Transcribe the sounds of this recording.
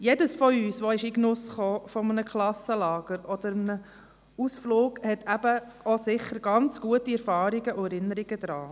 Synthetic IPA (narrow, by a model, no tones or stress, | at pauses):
jedəsfɔyːsʋɔɪʃiɡnʊsχoːfɔmənəkχlɑsəlɑːɡ̥əɾɔd̪əɾmənə | usflʊːɡhɛtʰæb̥əosɪχːəɾɡ̥ɑnt͡sɡ̥uətiɛɾfɑːɾiɡəʔʊɛɾɪnəɾiɡ̥əd̪ɾɑː